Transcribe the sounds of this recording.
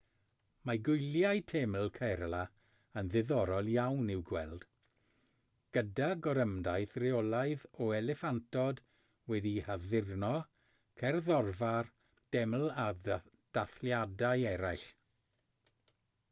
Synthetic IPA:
maɡʊjljajtʰeml̩ˠkʰɛɾlˠa | ənðɪðɔɾɔlˠjawnɪwɡwɛlˠd̥ | ɡ̥ədaɡɔɾəmdajθrɪɔlˠaɨðɔɛlɛfantʰɔd | wɛdihaðɪrnɔ | kʰɛrðɔrvar | d̥ɛml̩ˠa | d̥aθljadajɛɾajɬ

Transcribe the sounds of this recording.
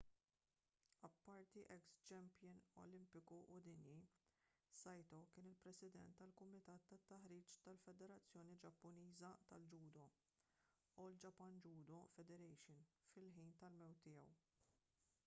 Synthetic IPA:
ɐpːɐɾt̪iʔɛkst͡ʃɛmpjɪnɔ̰lɪmpɪkuʔʊd̪ɪnji | sɐjt̪ɔkɪːnɪlpɾɛsɪd̪ɛ̰nt̪ːɐlkʊmɪt̪ɐːt̪ːɐt̪ːɐħɾiːt͡ʃt̪ɐlfɛd̪ɛɾɐt͡sːjɔːnid͡ʒɐpːʊniːzɐt̪ɐld͡ʒuːd̪ɔ | uld͡ʒɐpːɐnd͡ʒuːd̪ɔfɛd̪ɛɾɛjʃɪnfɪlħiːnt̪ɐlmɛwt̪ːɪːjɛw

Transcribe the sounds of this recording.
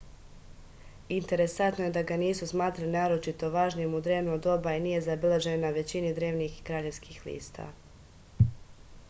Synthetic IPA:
int̪e̞ɾe̞sant̪nojed̪aɡaniːsusmaːt̪ɾalinaːɾo̞t͡ʃit̪o̞ʋaːʒnijemud̪ɾe̞ːʋnuod̪o̞bainije̞zabilaʒennaʋe̞t͡ɕinid̪ɾe̞ːʋnixkɾaːʎe̞ʋskiːxlḭːst̪a̰

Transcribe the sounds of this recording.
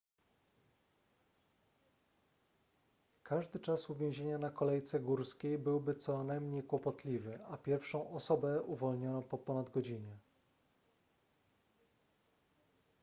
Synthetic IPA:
kaʐd̪ɘt͡ʂasuvʲjẽw̃ʑeɲanakɔlɛjt̪sɛɡuɾskʲejbɘwbɘt̪sɔnajmɲejkwɔpɔt̪lʲivɘapʲjɛɾfʂɔ̃w̃ʔɔsɔbɛuvɔlɲɔnɔ̃pɔpɔnad̪ɡɔd͡ʑiɲɛ

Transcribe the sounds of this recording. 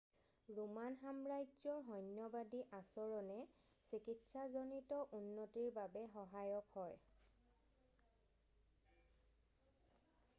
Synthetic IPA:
ɹumanɦamɹajzɔɹɦɔnːɔbadiʔasɔɹɔnɛ | sikitsazonitɔʔunːotiɹbabɛɦɔɦajɔkhɔj

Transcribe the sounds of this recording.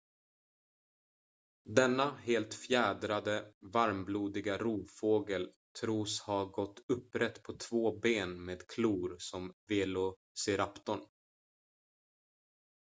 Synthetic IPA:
d̪ɛnːaheːlt̪fjæːd̪ɾad̪əvaɾmbluːd̪ɪɡaɾuːfoːɡəl | t̪ʰɾuːshaɡɔt̪ːɵpːɾɛt̪ːpʰɔt̪ʰvoːbeːnmeːd̪kʰluːɾsɔmveːlʊ | seːɾapt̪ɔɳ

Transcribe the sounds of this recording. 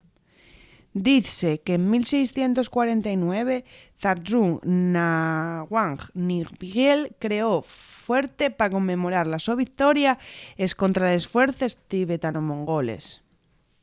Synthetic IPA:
d̪iθekeːŋmilse̞jsθje̞nt̪o̞skwaɾe̞nt̪ajnwe̞βe̞θaɾd̪ɾuŋnaɣwaŋxniɣbiɣelkɾe̞o̞fwe̞ɾt̪e̞pako̞mːẽ̞mo̞ɾaɾlasoβik̚t̪o̞ɾjaesko̞nt̪ɾaðesfwe̞ɾθest̪iβet̪anomõŋɡo̞lḛs

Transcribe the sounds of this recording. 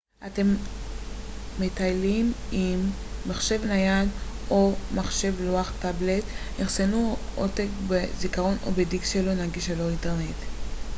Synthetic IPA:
ʔate̞m | etajlimimː | aχʃe̞vnajalomaχʃe̞vloaχtabletneχsenuotekbezikaʁo̞no̞̰bedikʃelonaɡiʃalointeʁnet

